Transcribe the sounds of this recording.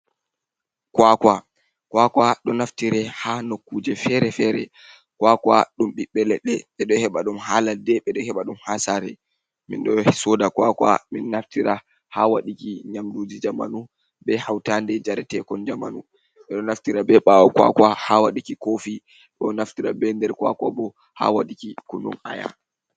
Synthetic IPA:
kwakwa | kwakwaɗɔnaftiɾɛhanokːuːd͡ʒɛfɛɾɛfɛɾɛ | kwakwaɗumɓiɓːɛlɛɗːɛɓɛɗɔhɛɓaɗumhaladɛɓɛɗɔhɛɓaɗumhasaɾɛ | mḭnɗɔsɔdakwakwa̰minːaftiɾa | hawaɗikiɲamdud͡ʒid͡ʒama̰nu | bɛhawtandɛd͡ʒaɾɛtɛkɔnd͡ʒamanu | ɓɛɗɔnaftiɾabɛɓawɔkwa̰kwahawaɗikikofi | ɗɔnaftiɾa̰bɛndɛɾkwa̰kwabɔ | ha̰waɗikikunṵma̰ja̰

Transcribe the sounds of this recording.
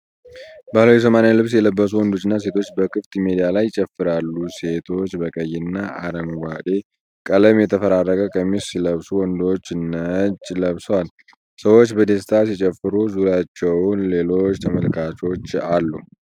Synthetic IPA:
baləwjɛs̬əmanjalɨβsjɛləbːəs̬uwɔnd̪o̞t͡ʃːɨnːas̬e̞t̪ʰo̞t͡ʃːbəkʰɨft̪imed̪ijalajt͡ʃʼɛfːɨɾalːuse̞t̪ʰo̞t͡ʃːbəkʼəjːɪnːaʔa̰ɾəŋɡʷad̪e̞ | kʼələmjɛt̪ʰəfəɾarːəkʼəkʼəmːissiləβsuwɔnd̪o̞t͡ʃːnət͡ʃʼləβswal | səwo̞t͡ʃːbəd̪est̪ʰas̬it͡ʃʼɛfːɨɾuzuɾjat͡ʃːɛwʊnle̞lo̞t͡ʃːt̪ʰəməlkʰat͡ʃo̞t͡ʃːalːu

